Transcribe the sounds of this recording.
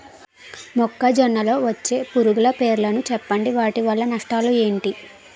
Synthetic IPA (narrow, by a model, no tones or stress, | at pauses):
mɔkːɐd͡ʒɔnːɐlo̞ːʋɐt͡ʃːe̞ːpuɾuɡulɐpe̞ːɾlɐnut͡ʃɛpːɐɳɖiʋaːʈiʋɐlːɐnɐʂʈaːlue̞ːɳʈi